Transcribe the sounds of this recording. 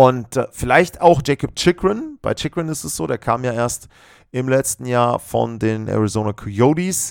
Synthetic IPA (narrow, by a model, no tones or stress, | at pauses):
ʔʊntfɪlaɪçtaʊxd̥ʒ̥eɪkɔp̚t͡ʃɪkʁɪnb̥aɪt͡ʃɪkʁɪnɪstɛsz̥oːɾeːɐkʰaːmjaːʔeːɐst | ʔɪmlɛt͡stn̩jaːɐfɔ̰ndeːnʔɛ̰ʁizoːnakʰijodis